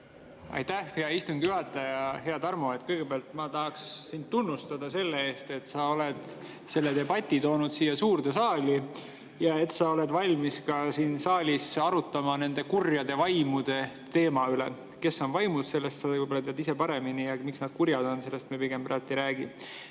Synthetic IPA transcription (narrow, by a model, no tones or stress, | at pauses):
ʔɑ̰jt̪æhfiɑist̪uŋɡ̥juɦɑt̪ːˑɑjɑɦe̞ɑd̪ɑrmo̞e̞t̪kɤjɡ̥e̞peɑlt̪ˑmɑt̪ɑɦɑksːind̪t̪ːunːust̪ɑd̪̥ɑse̞lːee̞ːst̪e̞t̪sɑo̞le̞d̪̥ | se̞lːe̞d̪e̞bɑt̪ʲːˑit̪o̞ːnud̪̥siːjːɑsuːrd̪̥e̞sɑːli | jɑe̞t̪sɑo̞le̞d̪vɑlʲmiskɑsiːnsɑːlʲisɑɾut̪ːˑɑmɑne̞nd̪e̞kurjɑd̪̥e̞vɑjmud̪̥e̞ | t̪e̞ːmɑyle̞̰ | ke̞sːo̞nvɑjmusse̞lːest̪sɑvujbolɑt̪eɑd̪ise̞pɑɾe̞minijɑmiksnɑd̪̥kuɾjɑd̪̥o̞nse̞lːe̞st̪miepiɡ̥e̞mpræːt̪ːˑiɾæːɡ̥i